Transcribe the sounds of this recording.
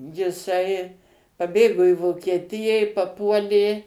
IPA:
jɪˈsɐɪ pɐˈbʲeːɡoː ɪ ʋoːkʲiɛˈtʲɪjæː ɪ pɐˈpuɔlʲeː

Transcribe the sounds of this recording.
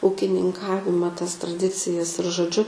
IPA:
uːkʲɪnʲɪŋˈkɑːʋʲɪmɐ tɐs trɐˈdʲɪt͡sʲɪjɛs ɪr ʒoːˈd͡ʒʲʊ

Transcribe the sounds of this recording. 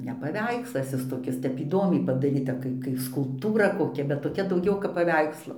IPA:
nʲɛ pɐˈʋʲɛɪkslˠɐs ˈɪs toːˈkʲɪs ˈtʲɛp iːˈdoːmʲɛɪ pɐdɐˈrʲiːtɐ ˈkɐɪ kɐɪ skʊlˠpˈtuːrɐ koːˈkʲɛ bʲɛt toːˈkʲɛ dɐʊˈɡʲɛʊ kɐp pɐˈʋʲɛɪkslˠoː pɐˈʋʲɛɪkslˠoː

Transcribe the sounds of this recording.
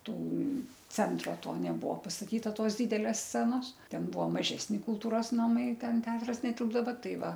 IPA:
ˈtuː ˈt͡sʲɛntroː ˈtoː nʲɛˈbuɔ pɐstɐˈtʲiːtɐ ˈtoːs ˈdʲiːdʲɛlʲeːs ˈsʲt͡sʲæːnoːs ˈtʲɛn ˈbuɔ mɐˈʒʲæːsʲnʲɪ kʊlˠˈtuːroːs nɐˈmɐɪ ˈtʲɛn ˈtʲɛɐtrɐs nʲɛˈtʲɪlˠbdɐʋɐ ˈtɐɪ ˈʋɐ

